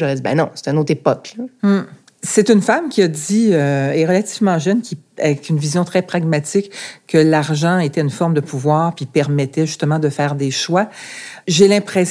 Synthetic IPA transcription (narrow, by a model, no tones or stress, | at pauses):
ɔʁɛd͡zibɛ̰̃nɔ̰̃se̥t̪ɛynoːt̪χepɔklam̩ | set̪ynfamkʲiad̪iøɛʁəlat̪ivmɑ̃ʒœnkʲʰiavɛkynvizjɔ̃t̪χɛpχaɡmat̪ɪkːəlaʁʒɑ̃et̪ɛynfɔʁmd̪əpuvwaːʁpipɛʁmɛt̪ɛʒyst̪əmɑ̃d̪əfɛːʁd̪eʃwaʒelɛ̃pχes